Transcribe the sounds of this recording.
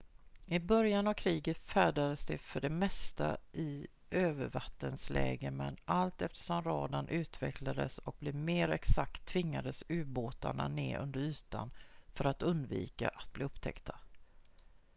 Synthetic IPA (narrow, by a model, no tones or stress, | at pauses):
ɪbœɾjanavkʰɾiːɡət̪fæːɖad̪əsd̪ɛfœɖɛmɛst̪a̰ʔɪ | ʔøːvəɾvat̪ːənslʔɛ̰ːɡəmɛnʔalt̪ɛft̪ə̥ʂɔmɾɑːd̪anʔʉ̟ːt̪vɛklad̪əsɔk̚blɪmeːɾɛksak̚t̪ʰːvɪŋːad̪əsʉ̟ːboːt̪a̰ɳa̰neːʔɵ̰nd̪əɾy̟ːt̪anfœɾat̪ɵnd̪vḭːka̰ʔat̪̚b̥liːɵpːt̪ʰɛ̰kt̪ʰa